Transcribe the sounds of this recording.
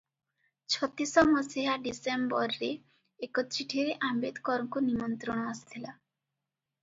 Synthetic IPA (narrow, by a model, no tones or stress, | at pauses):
t͡ʃʰɔt̪isɔmɔsiɦaɖisembɔɾɾeː | kɔt̪ɾiʈʰiɾeʔambed̪kɔɾɔŋkunimɔnt̪ɾɔɽ̃ɔasi̥t̪ʰila